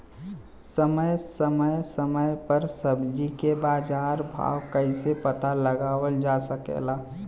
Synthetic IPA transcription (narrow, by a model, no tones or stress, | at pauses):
səməjsəməjsəməjpəɾsəbd͡ʒikebaːd͡ʒaːɾbʱa̰ːwkəɪsepət̪aləɡaːwəld͡ʒaːsəkḛlaː